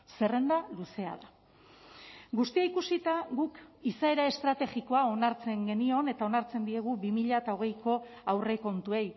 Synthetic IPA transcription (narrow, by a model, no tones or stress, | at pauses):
se̞re̞nd̪aluse̞a̰ða | ɡust̪iaikusit̪aɣukisae̞ɾaest̪ɾat̪e̞ɣiko̞ao̞naɾt͡se̞ŋɡe̞nio̞ne̞t̪ao̞naɾt͡se̞nd̪ie̞ɣ̞ubimiʎaet̪ao̞ɣ̞e̞jko̞ | awre̞ko̞nt̪ue̞j